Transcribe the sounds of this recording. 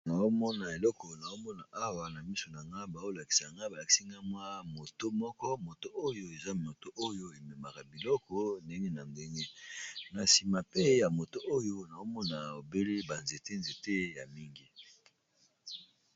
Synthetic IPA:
na˨o˦mɔ˦na˨e˨lɔ˦kɔ˨na˨o˦mɔ˦na˨ʔa˦wa˨na˨mi˦so˨na˨ŋɡa˦ba˨o˦la˨ki̥˨sa˨ŋɡa˦ba˨la˨ki̥˨˦si˦ŋɡa˦mwa˦mo˨to˦mɔ˦kɔ˦mo˨to˦ʔo˦jo˦e˨za˦mo˨to˦ʔo˦jo˦e˨me˨ma˨ka˨bi˨lɔ˦kɔ˦nde˦ŋe˦na˨nde˦ŋe˦na˨si˨ma˨pe˦ja˨mo˨to˦ʔo˦jo˦na˨o˦mɔ˦na˨o˨be˦le˦ba˨nze˨te˦nze˨te˦ja˨mi˦ŋɡi˦

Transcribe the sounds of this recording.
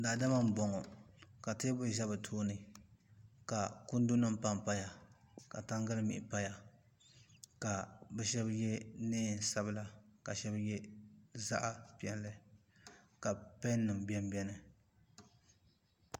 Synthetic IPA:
daː˨da˦ma˦m̩˦˨bɔ˨ŋɔ˨ka˨tɨː˦bʊ˦ʒa˦bɨ˨tʰoː˦nɨ˨ | ka˨ku˦n˦du˦na˦m˦pa˦mpa˦ja˨ | ka˨ta˦ŋɡa˦lɨ˦mḭ˨ʔɪ˨pa˦ja˨ | ka˨bɛ˦ʃɛ˦bjɛ˦neː˦˨sa˦bla˨ka˨ʃɛ˦bjɛ˦za˦ʔa˦pi˨˦ɛ˨n˦lɨ˦ | ka˨pɛ˦n˦nːɨ˨m˨bɛ˦m˦bɛ˦nɨ˨

